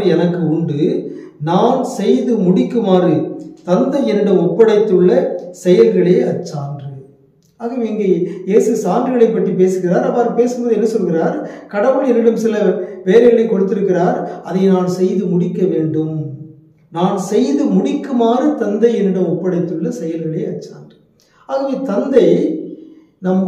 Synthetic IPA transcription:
ɾɛnɐkːɯuɳɖɯ | naːnsɛjðɯmʊɽɪkːɯmaːrɯt̪ɐnd̪ɐɪɛnɯɽɐɔpːɐɽɐɪt̪ːɯɭːɐsɛjɐlɣɐɭeːɐt͡ʃːaːndrɯ | aːɣɐʋeːɪŋɡeːjeːsɯsaːndrɪɣɐɭɐɪpːɐʈripeːsɯɣɪraːɾɐʋːaːɾpeːsɯmbɐːðɯɛnːɐsɔlɣɪraːɾkɐɽɐʋɯɭɛnːɪɽɯmsɪlɐʋeːlɐɪɣɐɭɐɪkɔɽɯt̪ːɪɾɯkːɪɾaːɾɐðɐɪnaːnsɛjðɯmʊɽɪkːɐʋeːɳɖɯm | naːnsɛjðɯmʊɽɪkːɯmaːnɐt̪ɐnd̪ɐɪɛnːɯɽɐɔpːɐɽɐɪt̪ːɯɭːɐsɛjɐlɣɐɭeːɐt͡ʃːaːndrɯ | aːɣɐʋeːt̪ɐnd̪ɐɪ | nɐm

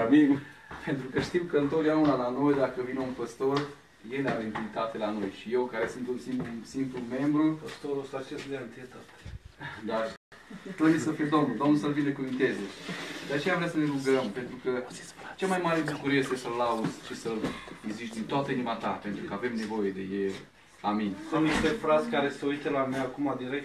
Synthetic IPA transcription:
mim | pe̞nt̪ɾukəʃt̪iwkəɨnt̪ot̪̚d̪ʲaunalano̞jd̪akəvinounpəst̪o̞r | je̞lavent̪ilit̪at̪e̞lano̞jʃije̞wkaɾe̞sunt̪unsimpusimplume̞mbɾupəst̪oɾst͡ʃesd̪eant̪et̪at̪ | d̪a | t̪ləmisəfid̪o̞mnuld̪omnusəlvinekuvint̪e̞zed̪eat͡ʃe̞javɾeasənebuɡɾəmpe̞nt̪ɾukə | t͡ʃemajmaɾe̞bukuɾijest̪jesəllaud̪z̥ʲʃisəleziʃd̪int̪oat̪əinimat̪ape̞nt̪ɾukəave̞mne̞vo̞je̞d̪e̞jel | aminʲsuniʃp̪efɾat̪sʲkaɾe̞səujt̪elamakumad̪iɾek

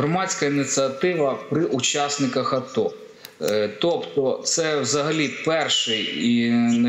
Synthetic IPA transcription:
ɦɾɔmɑsʲkɐinʲɪt̪sɨɐt̪ɪʋɐpɾɪʔʊt͡ʃɑsnɪkɐxɐt̪ɔ | t̪ɔpt̪ɔt̪sɛwzɐɦɐlʲipɛrʃɪjin

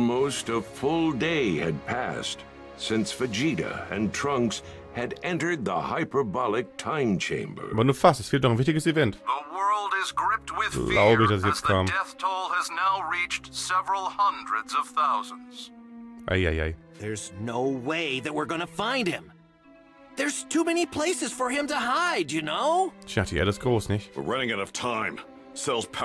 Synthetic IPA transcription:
moʊstʌv̥fʊlˠdeɪɨ̰d̚pʰæ̰st | sɪ̃nsfɨd͡ʒiɾɨ̰ɨ̰̃ntʰɹ̥ʌ̃ŋks | hɨɾɛ̃ntə˞d̪̚ðə̰haɪpə˞bɑlˠɨk̚tʰãɪ̃mt͡ʃʰẽɪ̃mbə̰˞bʌnofasɪsfitnɔənvɪtɪɡəsivɛ̃ntðəwɜ˞lˠdɪzɡɹɪp̚t̚wɪð̥la̰ʊbɪɾəzjɛskʰãmdɛθtʰoʊlˠɨznaʊɹit͡ʃtsɛvɹl̩ˠhʌ̃ndɹɨdzʌv̥θaʊzə̃nz̥ʔa̰ɪa̰ɪa̰ɪ | ðə˞znoʊweɪðɨt̚wɨɹɡʌnəfãɪ̃nd̚ɪ̃m | ðə˞z̥tʰumɛnipʰl̥eɪsɨz̥fə˞ɪ̃mtɨɦaɪdjɨnoʊʃiatiɛ̰ɾəsɡɹoːsnɪçwə̰ɹʌnɪ̃ŋɨɾʌftʰãɪ̃m | sɛlˠz̥pʰ

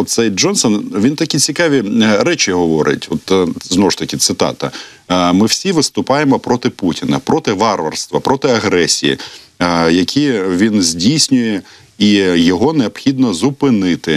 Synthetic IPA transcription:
ɔt̪̚sɛjd͡ʒɔnsɔnʋʲint̪ɐkʲit͡sʲikɑʋʲiɾɛt͡ʃʲɪɦɔʋɔɾɪ̰tʲɔt̪znɔʃt̪ɐkʲɪt̪sɪt̪ɑ̰t̪ɐ | mɪwsʲiʋɪst̪ʊpɑjemɔpɾɔt̪ɪputʲɪnɐ̰pɾɔt̪ɪʋɑrʋɐ̰rst̪ʋɐpɾɔt̪ɪɐɦɾɛsʲḭjḭ | jɐkʲʰiʋʲinzʲdʲijsʲnʲʊjɛ | ijɔɦɔneɔbxʲid̪nɐzʊpɪnɪt̪ɪ

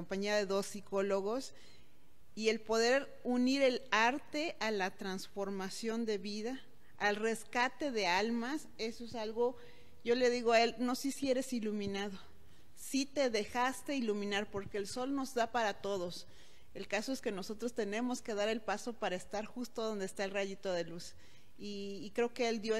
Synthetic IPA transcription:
kompaɲiaðeðosiko̞lo̞ɣo̞s | ie̞lpo̞ðe̞ɾ | uniɾe̞laɾt̪e̞ʔalat̪ɾansfo̞ɾmasjo̞nd̪e̞βiðaː | lre̞skat̪e̞ðe̞almas | e̞soesalɣo̞ | ʝo̞le̞ðiɣoelno̞sisie̞ɾe̞silumĩnað̞o̞ | sit̪e̞ðe̞xast̪e̞ilumĩnaɾpo̞ɾkelso̞lno̞zd̪apaɾat̪o̞ðo̞s | e̞lkaso̞e̞ske̞no̞so̞t̪ɾost̪e̞ne̞mo̞ske̞ð̞aɾe̞lpaso̞paɾaest̪aɾxust̪oðo̞nd̪eːst̪aelraʝit̪o̞ð̞e̞lus | iːkɾe̞okeeld̪jo

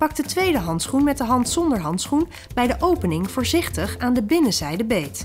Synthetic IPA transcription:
pɑk̚dətʋejdəɦɑntsχunmɛt̚dəɦɑntsɔndəɹɦɑntsχun | bɛjdəʔowpənɪŋv̥ʊːɹzɪχtəχaːndəbɪnəzɛjdəbejt

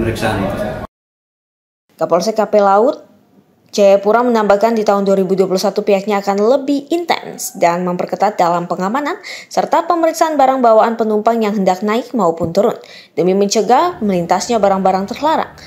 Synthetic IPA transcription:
əɾiksaan | kəpolsɛkapelaʊt̪̚ | d͡ʒajapuɾamənambakandit̪aɦʊnduaɾibuduapuluhsat̪upiɦak̚ɲaːkanləbɪhint̪ɛ̰nsdanməmpərkət̪at̪̚dalampəŋamanansərt̪apəməɾiksaʔanbaɾaŋbawaʔanpənumpaŋjaŋɦəndak̚naɪk̚maupʊnt̪uɾʊn | dəmiməɲt͡ʃəɡaməlint̪asɲabaɾaŋbaɾaŋt̪ərlaɾa̰ŋ

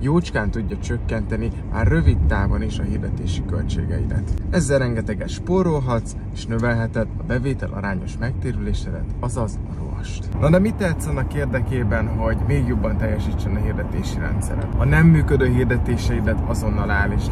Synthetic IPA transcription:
joːt͡ʃkaːnt̪uɟːɒt͡ʃø̞kːɛnt̪ɛni | ma̰ːrːø̞vit̪ːaːvɒneʃɒɦird̪ɛt̪eːʃikø̞̰lt͡ʃḛːɡɛ̰ḭlɛ̰t̪ɛzːɛlrɛŋɡɛt̪ɛɡɛt̪ʃpoɾo̞lɦɒt̪s | eːʃnø̞vɛlɦɛt̪ɛd̪ɒbɛveːt̪ɛlʔɒ̰ɾaːɲo̞̰ʃmɛk̚t̪eːɾyleːʃɛd̪ɛ̰t̪ɒzɒzɒro̰ | ʃt̪nɒd̪ɛmit̪ɛt̪sɒnːɒkeːrd̪ɛkeːbɛnɦo̞ɟmeːɡjo̞bːɒnt̪ɛjːɛʃiːt͡ʃːɛnɒɦird̪ɛt̪eːʃiɾɛ̰nt̪sɛ̰ɾɛ̰t̪ɒnɛmːyːkød̪øːɦird̪ɛt̪eːʃɛid̪ɛt̪ɒzo̞nːɒlaːleːʃ

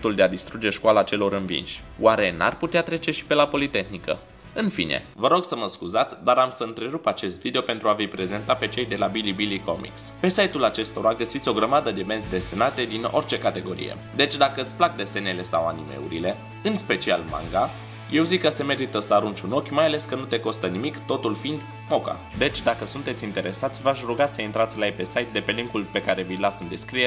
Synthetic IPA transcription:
t̪uld̪e̞ad̪ist̪ɾud͡ʒe̞ʃkoalat͡ʃe̞lo̞ɾɨnvḭnʃʲ | waɾe̞na̰rput̪eat̪ɾe̞t͡ʃe̞ʃi̥pe̞lapo̞lit̪e̞xnikə̰ | ɨnfinḛvəɾo̞ɡ̥səməskuzat̪sʲd̪aɾamsəɨnt̪ɾe̞ɾupat͡ʃe̞st̪vid̪eo̞pe̞nt̪ɾuavijpɾe̞ze̞nt̪ape̞t͡ʃe̞jd̪e̞labilibiliko̞̰mḭkspe̞sajt̪ulat͡ʃe̞st̪o̞ɾaɡəsit̪sʲo̞ɡɾəmad̪əd̪e̞be̞nsd̪e̞se̞nat̪e̞d̪ino̞̰rt͡ʃe̞kat̪e̞ɡo̞ɾḭje̞̰d̪e̞t͡ʃʲd̪akəɨt̪ʲplak̚d̪e̞se̞nele̞sawa̰nime̞̰ṵɾile̞ | ɨnspe̞t͡ʃia̰lma̰ŋɡa | je̞wzikːəse̞me̞ɾit̪əsəaɾunt͡ʃʲuno̞kʲmajale̞skənut̪e̞ko̞st̪ənimikt̪o̞t̪ulfind̪ | mo̞ka̰ | d̪e̞t͡ʃʲd̪akəsunt̪e̞t̪sʲint̪e̞ɾe̞sat̪sʲvaʃ̬ʲruɡasəint̪ɾat̪sʲlajpe̞sajt̪̚d̪e̞pe̞liŋkulpe̞kaɾe̞vilasɨnd̪e̞skɾije

